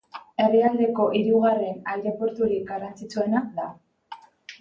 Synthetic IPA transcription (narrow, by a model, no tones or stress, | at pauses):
e̞reald̪e̞ko̞ʔiɾuɣ̞are̞najɾe̞po̞ɾt̪uɾik̚ɡarant͡sit͡sue̞nad̪a